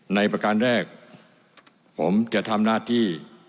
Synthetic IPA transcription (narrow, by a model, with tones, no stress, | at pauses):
na˧jpɾa˧ka˧nɾɛː˥˩k̚ | pʰo̰˩˦mt͡ɕa˨˩t̪ʰa˧mnaː˥˩t̪ʰiː˥˩